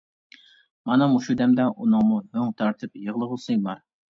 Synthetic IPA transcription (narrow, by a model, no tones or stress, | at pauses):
mɑnɑmuʃud̪ɛmd̪ɛʔunɨŋmuɦøŋt̪ʰɑɾt̪ʰɨpjəʁlˠəʁʊsɪŋbɑɾ